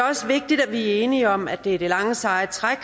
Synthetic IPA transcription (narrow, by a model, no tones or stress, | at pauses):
ɒ̽səʋe̝ɡ̥̚d̥id̥æʋiæe̝ːniɒ̽mædd̥e̝æɐɾ̥e̝lɑ̈ŋəsɑ̈ɪt͡sʰʁaɡ̥